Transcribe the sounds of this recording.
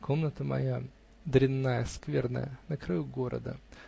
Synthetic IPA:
kʰo̞mnət̪əmɐ̰ja | d̪ɾʲɪnːajəskvʲe̞rnə̰jə̰nəkɾɐjuɡo̞ɾə̰d̪ə̰

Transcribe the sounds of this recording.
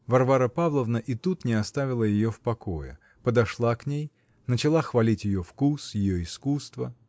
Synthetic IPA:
vɐrvaɾəpavlˠəvnəʔɪt̪ut̪nʲɪɐst̪avʲɪlˠəjɪjofpɐkojɪ̰ | pəd̪ɐʂlˠaknʲej | nət͡ɕɪlˠaxvɐlʲitʲjɪjofkusjɪjoɪskust̪və

